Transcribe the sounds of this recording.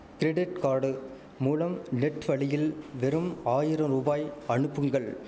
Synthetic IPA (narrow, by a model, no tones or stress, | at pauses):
kɪɾɛɖɪʈkaːɽɯ | muːlɐmnɛʈːʋɐɭɪjɪlʋɛɾɯmaːjɪɾɐmɾuːbaːjɐɳɯpːɯŋɡɐɭ